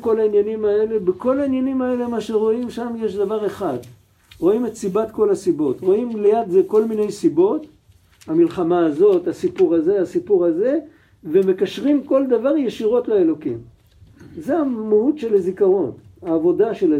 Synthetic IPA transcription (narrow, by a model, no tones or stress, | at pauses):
ko̞lainjanimae̞le̞beko̞lainjanimae̞le̞maʃeʁo̞imʃamjeʃd̪avaʁe̞χad | ʁo̞imetsibat̪ko̞lasibo̞tʁo̞imlejadzeko̞lmine̞jsibo̞t | hamilχamaːzo̞t̪hasipuʁaze̞asipuʁaze̞ | veme̞kaʃʁimko̞ld̪avaʁjeʃiʁo̞tlae̞lo̞kim | zeamehutʃe̞lazikaʁo̞naːvo̞daʃel